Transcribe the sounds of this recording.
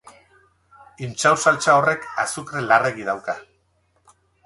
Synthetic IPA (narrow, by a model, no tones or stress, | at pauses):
int͡ʃawsalt͡ʃao̞re̞kasukɾelare̞ɣiðawka